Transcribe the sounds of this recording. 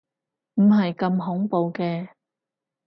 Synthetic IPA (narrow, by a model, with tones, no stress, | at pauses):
m̩˨˩ɦɐ˨jkɐ˧mɦʊ˨˥ŋpo˨wkɛː˧